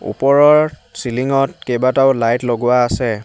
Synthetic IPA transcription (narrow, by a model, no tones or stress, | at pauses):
ṵpɔɹɔɹsiliŋɔtkejbataʊlajtloɡʊwaːsɛ